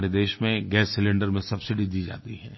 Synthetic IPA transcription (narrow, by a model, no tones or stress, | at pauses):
ɾed̪eːʃmẽɡɛːsːɪlɪ̃ɳɖəɾmẽsɐbsɪɖid̪iːd͡ʒa̰ːt̪iɦɛ̰̃ː